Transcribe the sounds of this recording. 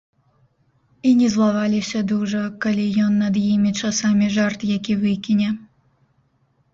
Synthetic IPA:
inʲɛzlˠaβɑlʲisʲad̪uʒəkɐlʲijonːad̪jimʲit͡ʃasɑmʲiʒɑrt̪jakʲivɨkʲinʲe

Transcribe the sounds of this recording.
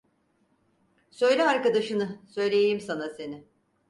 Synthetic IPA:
sø̞jlʲɛaɾkad̪aʃɯnɯsø̞jlʲe̞jjimsanase̞nɪ

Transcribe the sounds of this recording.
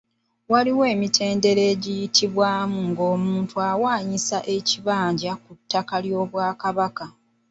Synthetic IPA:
waliwe̞ːmitʰe̞ːnde̞ɾeːɟijitʰiβwaːmuŋɡo̞ːmuːntuaːwaːɲisaʔe̞ciβaːɲɟakutːakaljo̞ːβwaːkaβaka

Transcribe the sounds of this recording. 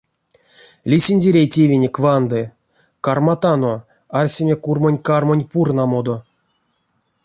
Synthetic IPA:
lʲisʲinʲdʲeɾʲejtʲevʲenʲekʲvand̪ɨ | karmat̪ano | arʲsʲemʲekurmonʲkarmonʲpurnamod̪o

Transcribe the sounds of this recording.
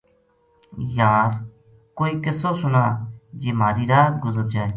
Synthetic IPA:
jaːɾ | koːiːkɪsoːsʊnaːd͡ʒeːmaːɾiːɾaːt̪ɡʊzəɾd͡ʒaːeː

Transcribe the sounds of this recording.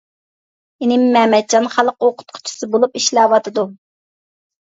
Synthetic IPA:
inɪmːɛːmɛt͡ʃʰːɑnχælˠəqoqʰʊ̥t̪̚qʰʊ̥t͡ʃʰɪ̥sɨbolˠupiʃlæwɑt̪ʰɨd̪u

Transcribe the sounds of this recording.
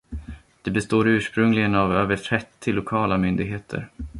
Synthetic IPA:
d̪̥ɛbɛst̪oːɾʉ̟ːʂpɾɵŋlɪɡənavøːvəʈʰɾɛt̪ʰːɪlːʊkʰɑːlamʏnd̪ɪɡɦeːt̪ʰə̰ɾ

